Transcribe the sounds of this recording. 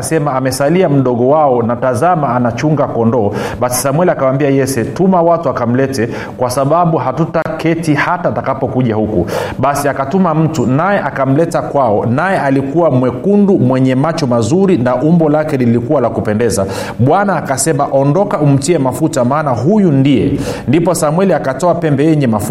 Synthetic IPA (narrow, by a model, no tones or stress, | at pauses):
sɛmaːmɛsaliam̩ɗɔɠɔwaɔnatazamaːnat͡ʃuŋɡakɔndɔːɓasi̥samwɛliakawambiajɛsɛtumawatuakam̩lɛtɛ | kwasaɓaɓuɦatutakɛtihataːtakapɔkuʄahukṵɓasiakatumam̩tunajɛʔakam̩lɛtakwaɔnajɛʔalikuwamwɛkundumwɛɲɛmat͡ʃɔmazuɾinaʔumbɔlakɛlilikuwalakupɛndɛza | ɓwanaːkasɛmaʔɔndɔkaum̩tiɛmafutamaːnaɦujundijɛ | ndipɔsamwɛliakatɔapɛmbɛjɛɲɛmaf